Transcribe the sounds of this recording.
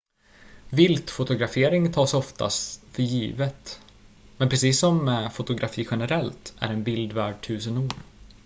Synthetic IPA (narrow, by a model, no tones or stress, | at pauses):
vɪlt̪fʊt̪ʊɡɾafeːɾɪŋt̪ʰɑːsɔft̪ʰa̰st̪fœɾjiːvət̪ | mɛnpʰɾɛsiːsːɔmːɛfʊt̪ʊɡɾafiːɧɛnəɾɛlt̪æ̰ɾɛnbɪld̪væːɖ̚ʈʰʉ̟ːsənuːɾ